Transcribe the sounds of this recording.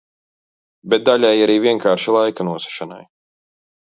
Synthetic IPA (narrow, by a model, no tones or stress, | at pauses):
bɛt̪̚d̪aʎʲajaɾiːvʲiɛŋkaːɾʃilˠajkanuɔsɛ̥ʃana̰j